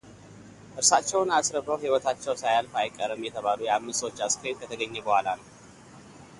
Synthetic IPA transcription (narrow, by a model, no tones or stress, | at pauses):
ʔɨɾsat͡ʃːɛwnasɾəbəwhiwɔt̪ʰat͡ʃːɛwsajalfajkʼːəɾəmjɛt̪ʰəβalujɛamːɨst̪o̞t͡ʃːaskɾet̪kʰət̪ʰəɡəɲːɛbəhʷalanəw